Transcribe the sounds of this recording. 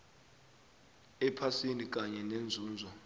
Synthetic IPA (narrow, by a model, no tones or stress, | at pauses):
ɛpʰasinik̬ʼaɲɛnend͡zʱuːnd͡zʱɔ